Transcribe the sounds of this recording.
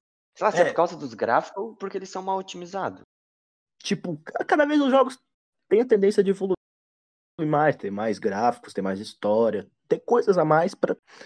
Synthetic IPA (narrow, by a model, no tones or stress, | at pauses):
sejlasɛpʊɾkawzɐd̪ʊzɡɾa̰fi̥kʊpʊɾkelɪsɐ̃w̃mawot͡ʃimizad̪ʊs | t͡ʃipʊkakad̪ɐvejzʊzʒɔɡʊs | t̪ẽj̃ɐt̪ẽnd̪ẽsjɐd͡ʒɪvolu | ĩmajst̪ẽɾmajzɡɾafi̥kʊst̪ẽj̃majzist̪ɔɾiɐ | t̪ekojzɐzɐmajspɾɐ